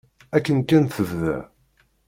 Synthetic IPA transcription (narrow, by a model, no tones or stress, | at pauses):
ækːənkːænθəvðæ̰